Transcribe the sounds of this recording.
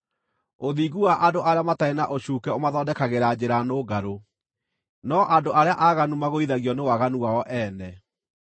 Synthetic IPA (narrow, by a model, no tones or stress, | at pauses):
oðiːɣuwaʔadoʔaɾeamataenaʔoɕuːkɛomaðɔdɛkaɣeɾad͡ʑeɾanoːɡaɾo | nɔʔadoʔaɾeaʔaɣanumaɣoiðaɣjɔnewaɣanuwaɔʔɛːnɛ